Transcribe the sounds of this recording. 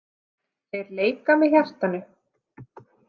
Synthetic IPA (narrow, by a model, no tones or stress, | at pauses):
θejɾleːjkamɛðçjar̥t̪anʏ